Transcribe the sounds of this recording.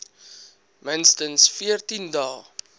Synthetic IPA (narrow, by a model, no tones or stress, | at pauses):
mənstənsfiərtindɑːl